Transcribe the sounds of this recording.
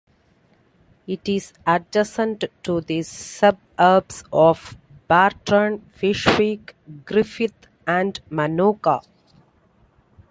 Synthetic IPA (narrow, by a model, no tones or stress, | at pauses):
ɪʈizæɖɛsə̃nʈʈud̪isʌb̚ | əɾbsɔːʋ | b̥æːɾʈənfɪʃʋiːkɡɾɪfit̪ | æ̃ɳɖmanoːka̰